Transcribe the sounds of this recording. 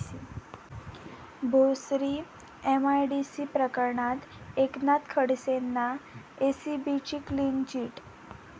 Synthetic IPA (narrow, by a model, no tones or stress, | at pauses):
bʱosɾi | emajɖisipɾəkəɾɳat̪ | eknat̪kʰəɽsenːa | esibit͡ɕiklinɡt͡ɕiːʈ